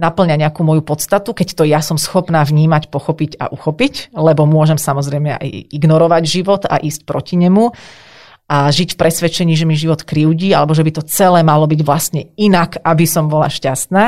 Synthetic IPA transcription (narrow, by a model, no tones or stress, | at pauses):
napl̩ɲaɲɛakuːmɔjupɔt̪st̪at̪ukɛct̪ɔjasɔmsxɔpnaːvɲiːmacpɔxɔpica̰ʔuxɔpiclɛbɔmʊɔʒɛmsamɔzɾɛjmɛa̰jiɡnɔɾɔʋaɟʒiʋɔt̪a̰ʔiːsc̚pɾɔciɲɛmu | ʔaʒicfpɾɛsʋɛt͡ʃɛɲiːʒɛmiʒiʋɔt̪kɾiʊɟiːalɛbɔʒɛbit̪ɔt͡sɛlɛːmalɔbiɟʋlast̪ɲɛinakabisɔmbɔla̰ʃcast̪naː